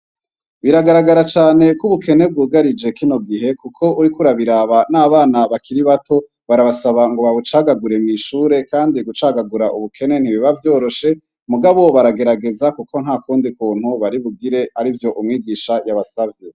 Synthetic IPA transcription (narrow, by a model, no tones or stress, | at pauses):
βiɾaɡaɾaɡaɾat͡ʃaːne̞kuβuke̞ne̞b̚ɡuːɡaɾid͡ʒe̞kino̞ɡiɦe̞kukʰo̞ʔuɾikuɾaβiɾaβanaːβaːnaβakiɾiβatʰo̞ | βaɾaβasaβaŋɡo̞βaβut͡ʃaːɡaɡuɾe̞miʃuːɾe̞kaːndiɡut͡ʃaɡaɡuɾaʔṵβukʰe̞ne̞n̥hiβiβavjo̞ːɾo̞ʃe̞ | muɡaβo̞βaɾaɡe̞ɾaɡe̞zakuko̞n̥haːkuːndikuːn̥huβaɾiβuɡiɾe̞aɾivjo̞ʔumŋiːɡiːʃajaβasavje̞